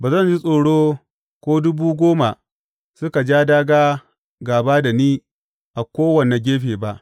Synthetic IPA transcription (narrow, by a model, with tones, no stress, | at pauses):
baː˨zɐ˦˨nd͡ʒi˦sʼoː˨ɽoː˦ | kʷoː˦dʊ˦buː˦ɡʷoː˦ma˨ | sʊ˦ka˨d͡ʒaː˦daː˦ɡaː˦ | ɡaː˨baː˦da˨niː˦ | ʔa˨kʷoː˦wɐ˨ne˨ɡʲeː˦ɸeː˨ba˦ʔ